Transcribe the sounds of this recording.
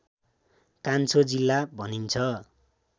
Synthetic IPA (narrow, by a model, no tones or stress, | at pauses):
kant͡sʰod͡zilːabʱʌnint͡sʰʌ